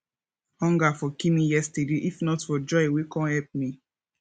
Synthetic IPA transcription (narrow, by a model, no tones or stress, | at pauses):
hɔ̃ŋɡafɔkimijɛstədeʔifnɔtfɔd͡ʒɔɪwikɔ̃nhɛlp̚mi